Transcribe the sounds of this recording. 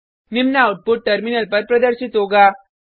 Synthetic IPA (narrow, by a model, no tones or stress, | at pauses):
nimnauʈ̚puʈ̚ʈəɾminəlpəɾpɾəd̪əɾɕit̪oɡa